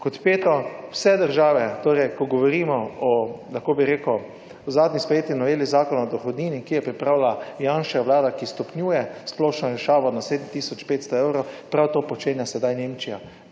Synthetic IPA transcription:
kɔt̪peːt̪ɔwsɛd̪əɾʒaːʋɛt̪oːɾɛjkɔɡɔʋɔɾiːmɔɔlaxkoːbiɾeːku | zaːd̪nʲispɛjeːt̪inɔʋeːlizaːkɔnɔɔd̪ɔxɔd̪niːnikijɛpɾipɾaːwlajanʃɛjaʋlaːd̪akist̪ɔpnʲjuːjɛsploːʃnɔɾɛʃaːʋɔnaseːd̪m̩t̪iːsɔt͡ʃpeːt̪st̪ɔewɾowpɾawt̪oːpɔt͡ʃeːnjasɛd̪ajneːmt͡ʃija

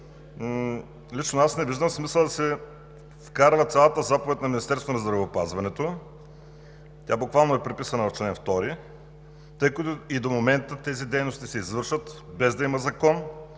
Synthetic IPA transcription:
lit͡ʃnoasnɛviʒd̪əmsmisəlˠd̪ɐsɛ | fkaɾvət̪sʲalˠət̪əzapovɛt̪ʲnɐminist̪ɛɾst̪vonɐzd̪ɾɐvɛopazvɐnɛt̪o | t̪ʲabʊkvalˠnoɛpɾipisɐnəvɐft͡ʃɛɛnft̪ɔɾi | t̪ɤjkət̪ʊid̪omomɛnt̪ət̪ɛzid̪ɛjnost̪isɛizvɤɾʃvət̪ | bɛzd̪ɐiməzɐkɔn

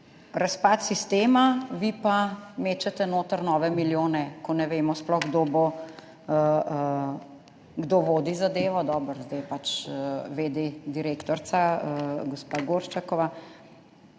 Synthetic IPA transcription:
ɾaspat̪sist̪eːmaʋipameːt͡ʃɛt̪ɛnoːt̪əɾnɔːʋɛmiljoːnɛkɔnɛʋeːmɔsplɔxɡd̪obo | ə | ɡd̪oʋoːd̪izad̪eːʋɔd̪ɔbəɾzd̪ajpat͡ʃʋed̪ed̪iɾeːkt̪ɔɾsaəɡɔspaɡoɾʃt͡ʃakɔʋa

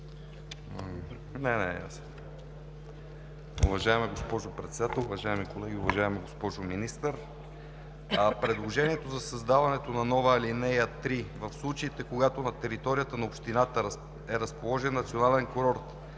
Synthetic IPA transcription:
nɛnɛja̰sn | ʊ̰vɐʒaɛmɛɡospɔʒopɾɛt̪sɛd̪at̪ɛlˠʊvɐʒaɛmikolɛɡ̟ʲiʊvɐʒaɛmiɡospɔʒʊminist̪əɾ | pɾɛd̪lˠoʒɛniɛt̪ozɐsɐzd̪avɐnɛt̪onɐnɔvəlinɛjət̪ɾivɐfslˠut͡ʃɐit̪ɛkoɡat̪onɐt̪ɛɾit̪ɔɾijət̪ənɐopʃt̪inat̪ə | ɛɾɐspolˠɔʒɛnːɐt̪sionalɛnkoɾoɾt̪

